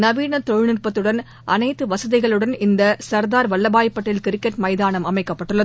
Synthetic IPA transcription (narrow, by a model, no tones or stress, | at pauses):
nɐʋiːɳɐt̪ɔɻnɪrpɐt̪ːɯɽɐn | ʔɐnɐɪt̪ːɯʋɐsɐðɪɣɐɭɯɽɐnɪnd̪ɐsɐɾd̪aːɾʋɐɭːɐbaːjɐpːɐʈːɪlkɪɾɪkːɐʈmɐɪðaːnɐmɐmɐɪkːɐpːɐʈːɯɭːɐð